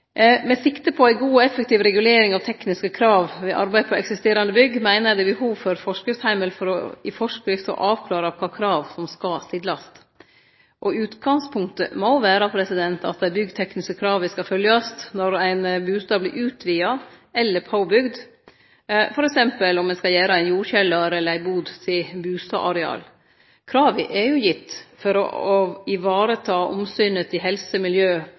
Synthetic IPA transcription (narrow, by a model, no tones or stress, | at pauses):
mɛsɪkt̪əpʰɔæɪɡuːɔɛfɛkt̪iːʋɾɛɡʉleːɾɪŋɑʋt̪ʰɛknɪskəkʰɾɑːʋʋɪʔɑ̰ɾbæɪpʰɔɛksɪst̪eːɾɑnd̪əbʏɡmæɪnəd̪ɛbəhuːʋfɔɾfɔʂkɪft̪hæɪməlfɔɾɔ̰ɪfɔʂkɾɪft̪ɔ̰ʔɑːʋkʰlɑːɾɑkʰɑːkʰɾɑːʋsɔmskɑsɪd̪lɑst̪ | ʔɔʉːt̪ɡɑŋspʰʊŋkt̪ə̰moʋæːɾɑpʰɾɛsɪd̪ɛnt̪ɑ̰t̪̚d̪æɪbʏɡːt̪ʰɛknɪskəkʰɾɑːʋʋɪskɑfœljəst̪nɔɾæɪnbʉːst̪ɑːblɪ̰ʔʉːt̪ʰʋiːɑ | ɛlːəɾpʰaʊbʏɡd̪ | fɔɾɛksɛmpəlɔmːɛnskɑjæːɾɑæɪnjuːɾçɛlːəɾɛlːəɾæɪbuːd̪t̪ʰɪbʉːst̪ɑ̰ʔɑɾɛɑ̰ːl | kʰɾɑːʋɪʔɛɾjʊjɪt̪ːfɔɾɔ̰ɔɪʋɑːɾət̪ʰɑːʔɔ̰msyːnət̪ʰɪɦɛlsəmɪljøː